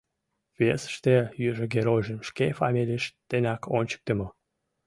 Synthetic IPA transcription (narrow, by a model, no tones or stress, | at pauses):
vesə̥ʃt̪ejyʒəɡeɾojʒəmʃkefɑmʲilʲiʃt̪enʲɑkʰonʲt͡ɕə̥k̚t̪əmo